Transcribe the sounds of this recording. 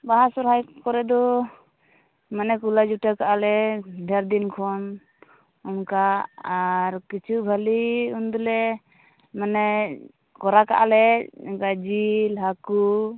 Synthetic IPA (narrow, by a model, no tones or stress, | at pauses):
baɦasɔɾɦajkɔɾɛd̪ɔ | manɛkulad͡ʒuʈakaʔalɛdʱaɾd̪inkʰɔn | ɔmkaaɾkit͡ʃʰubʱaliund̪ulɛ | manɛ | kɔɾaka̰ʔalɛɛkad͡ʒilɦaku